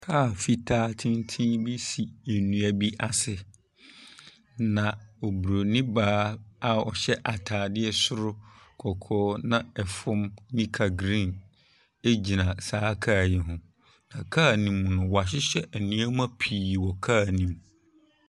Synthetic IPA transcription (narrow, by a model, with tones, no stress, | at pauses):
kʰaː˦˨fi˦tʰaː˦tʰɪ̃˦ntʰĩ˦bi˦si˨e˨nũ˨æ˨bi˦ʔa˨sɪ˨ | nã˨o˨bu˨ɾo˨nĩ˦baː˦a˨ɔ˨ɕɛ˦ʔa˨tʰaː˨dɪ˦ɛ˦sʊ˦ɾʊ˦kʰɔ˨kʰɔː˦nã˦ɛ˨fʊ̃˦mnĩ˦kʰa˨ɡɾĩ˦˨n | e˦d͡ʑi˨nã˨saː˦kʰaː˦˨jɪ˨ɦʊ̃˨ | nã˨kʰa˦˨nĩ˨m̃˨nʊ̃˨wɔ˨a˨ɕ̬ɪ˦ɕɛ˦ʔæ˨nĩ˦æ˦mã˦pʰiː˨wɔ˨kʰaː˦˨nĩ˨m